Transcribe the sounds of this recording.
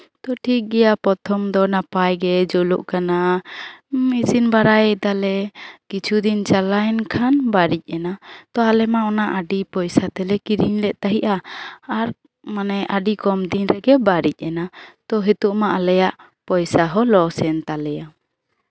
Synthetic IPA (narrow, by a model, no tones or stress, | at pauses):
t̪ɔʈʰik̚ɡɛjapɔt̪ʰɔmd̪ɔnapajɡɛd͡ʒɔluʔkana | misinbaɾajɛd̪alɛkit͡ʃʰud̪int͡ʃalajnkʰanbaɾic̚ˀɛnat̪ɔalɛmaɔnaʔaɖipɔjsat̪ɛlɛkiɾiɲlɛʔt̪aɦiʔaːɾ | manɛʔaɖikɔmd̪inɾɛɡɛbaɾic̚ˀɛnat̪ɔɦɛt̪uʔmaʔalɛjaʔ | pɔjsaɦɔlɔsɛnt̪alɛja